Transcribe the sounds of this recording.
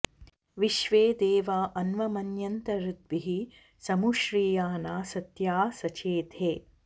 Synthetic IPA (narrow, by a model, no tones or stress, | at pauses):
ʋiʃʋeːd̪eːʋaːʔɐnʋɐmɐnjɐnt̪ɐɾud̪ʋiɦi | sɐmuʃɾiːjaːnaːsɐt̪jaːsɐt͡ʃeːt̪ʰeː